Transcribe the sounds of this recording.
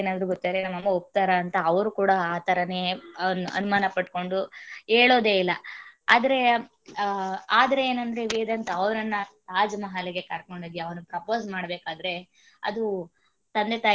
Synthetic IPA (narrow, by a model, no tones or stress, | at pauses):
naːd̪ɐɾuɡot̪ːid̪ɐɾenɐmːɐmːɐop̚t̪aːɾɐːnt̪ɐːʋɐɾukuːɽɐaːt̪ʰɐɾɐneɐnuɐ̰numaːnɐpɐʈ̚ko̞ɳɖueːɭoːd̪eːilːɐaːd̪ɐɾe̞ | aːd̪ɐɾeeːnɐnd̪ɐɾe̞ʋiːd̪ɐnt̪ɐɐʋɐɾɐnːɐt̪aːd͡ʒmɐɦaleɡe̞kɐɾko̞ɳɖiɡ̪jiɐʋɐnupɾɐpoːsmaːɽbeːkaːd̪ɐɾe̞ | ɐ̰d̪u | t̪ɐnd̪et̪aː